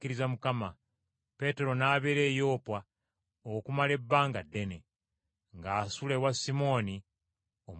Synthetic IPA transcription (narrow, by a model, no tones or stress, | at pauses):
kiɾizamukama | pe̞te̞ɾo̞naːβeɾe̞ːjo̞ːpwa | okumale̞bːaːŋɡadːe̞ne̞ | ŋɡaːsule̞wasimo̞ːni | om